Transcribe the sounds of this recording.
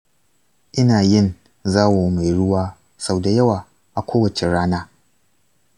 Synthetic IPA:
ʔɪ˦naː˨jɪ˦˨n | zaː˦woː˨˦ma˨jɽʊ˦waː˦ | sa˨wda˨jɐ˦waː˨ | ʔa˨kʷʰoː˦wɐ˨t͡ʃe˨ɽaː˦naː˦

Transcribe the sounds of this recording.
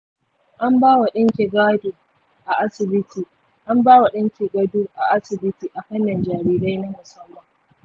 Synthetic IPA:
ʔa˦mbaː˦wa˨ɗɪ˦ŋkʲi˨ɡaː˦du˨ | ʔa˨ʔa˦sɪ˨bɪ˦tʰiː˨ | ʔa˦mbaː˦wa˨ɗɪ˦ŋkʲi˨ɡɐ˦duː˦ʔa˨ʔa˦sɪ˨bɪ˦tiː˨ʔa˨ɸɐ˦nːɐ˨nd͡ʒaː˨ɾiː˦ɾa˦jnɐ˦mʊ˨sɐ˦mːɐ˨ŋ

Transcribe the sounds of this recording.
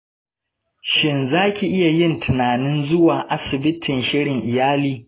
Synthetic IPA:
ʃɪ˦nzaː˦kʲi˨ʔɪ˦ja˨jɪ˦ntʰɪ˨naː˨nɪ˦nzʊ˦waː˨ʔa˦sɪ˨bɪ˦tʰɪ˨nʃɪ˦ɽɪ˨ŋʔɪ˨jaː˦liː˦

